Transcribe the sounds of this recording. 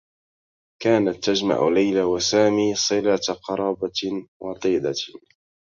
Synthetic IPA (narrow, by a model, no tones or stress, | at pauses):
kaːnat̪ːad͡ʒma̰ʕ̰lajlawasaːmiːsˤɨlaːt̪qɑɾˤɑːbawʔɑt̪ˤiːd̪a